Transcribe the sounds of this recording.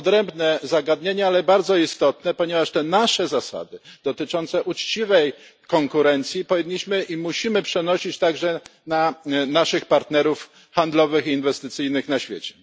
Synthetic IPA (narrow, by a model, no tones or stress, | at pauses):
ɔd̪ɾɛmbnɛzaɡad̪ɲeɲɛalɛbaɾd̪zɔist̪ɔt̪nɛpɔɲɛvaʂt̪ɛnaʂɛzasa̰d̪ɘd̪̥ɔt̪ɘt͡ʂɔnt̪sɛʔut͡ʂt͡ɕivɛj | kɔŋkuɾɛnt̪sʲjipɔvʲiɲːiɕmɘʔimuɕimɘpʂɛnɔɕit͡ɕt̪aɡʐɛnanaʂɘxpaɾt̪nɛɾuf | xand̪lɔvɘxiːnvɛst̪ɘt̪sɘjnɘxnaɕfʲjḛt͡ɕɛ̥